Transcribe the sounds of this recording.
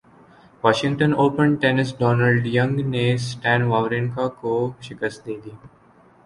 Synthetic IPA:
ʋɔːʃɪ̃ŋɡ̚ʈə̃noːpə̃ɳʈenɪs̬ɖɔːnəlɖjʌ̃ŋɡnesʈæ̃ːnʋaːʋɾɪ̃nkakoʃɪkəst̪d̪eːd̪iː

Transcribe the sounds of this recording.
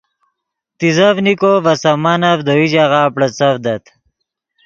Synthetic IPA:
t̪izɐvnikovɐsɐmɐnɐvd̪oid͡ʑaʁaːpɽɐt͡sɐvd̪ɐt̪

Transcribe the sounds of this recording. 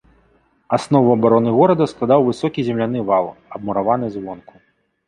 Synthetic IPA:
asnɔvuɐbaɾɔnɨɣɔɾɐd̪ɐsklˠad̪awvɨsɔkʲizʲɛmlʲan̪ɨvalˠɐbmuɾavanɨzvɔnku

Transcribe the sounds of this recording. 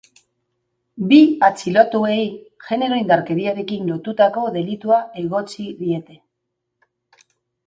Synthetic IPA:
biat͡silot̪ue̞j | ʝe̞ne̞ɾo̞ind̪aɾke̞ɾiaɾe̞kinlo̞t̪ut̪ako̞ðe̞lit̪uaeɣo̞t͡siðie̞t̪e̞

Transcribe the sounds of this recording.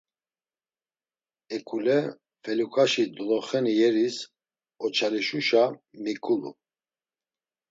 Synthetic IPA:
ɛkʼulɛ | fɛlukʰʼaʃid̪ɔlɔχɛnijɛɾis | ɔt͡ʃʰaliʃuʃamikʼulṵ

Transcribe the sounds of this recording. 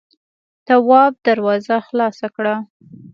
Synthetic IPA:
t̪awɑb̚d̪aɾwɑzaxlɑsakɽa

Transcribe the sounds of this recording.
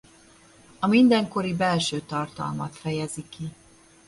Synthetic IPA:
ɒmind̪ɛŋko̞ɾibɛlʃøːt̪ɒrt̪ɒ̰lmɒt̪fɛjɛziki

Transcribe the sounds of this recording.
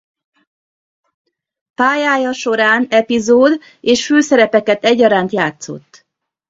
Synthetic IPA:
paːjaːjɒʃo̞ɾaːnɛpizoːd̪ | eːʃføːsɛɾɛpɛkɛt̪ɛɟːɒɾaːnt̪jaːt̪so̞̰t̪ː

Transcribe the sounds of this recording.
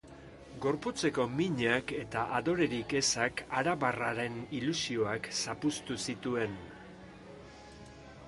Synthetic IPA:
ɡo̞ɾput͡se̞ko̞miɲake̞t̪aʔaðo̞ɾe̞ɾike̞sakaɾaβaraɾe̞nilusio̞aksapust̪usit̪ue̞n

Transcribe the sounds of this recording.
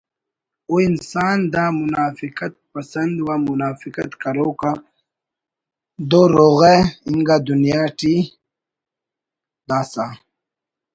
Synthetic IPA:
oːinsaːnd̪aːmunaːfikɐt̪̚pɐsɐnd̪waːmunaːfikɐt̪kɐɾoːka | d̪oɾoːɣeiŋɡad̪unijaːʈi | d̪aːsaː

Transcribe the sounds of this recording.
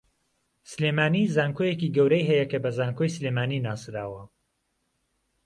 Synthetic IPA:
sɨlemaːnizaːŋkʰojekiːɡɐwɾɐjɦɛjɐkɐbɐzaːŋkʰojslemaːninaːsɾaːwɐ

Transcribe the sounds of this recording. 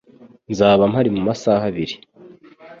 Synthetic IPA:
nzaːβam̥haɾimumasaːɦaβiɾi

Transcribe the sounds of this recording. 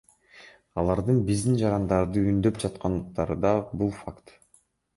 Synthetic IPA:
ɑlˠɑɾd̪ɯnbizd̪ind͡ʒɑɾɑnd̪ɑɾd̪ɯynd̪ø̞pd͡ʒɑt̪qɑnd̪ɯq̚t̪ɑɾɯd̪ɑbulˠfakt̪

